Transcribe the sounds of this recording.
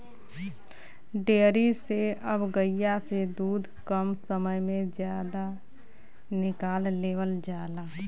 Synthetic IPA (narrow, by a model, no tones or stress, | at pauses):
ɖeːɾiseəbɡəjased̪uːd̪ʱkəmsəməjmẽd͡ʒjaːd̪a | nɪkaːlːeːʋəld͡ʒaːlaː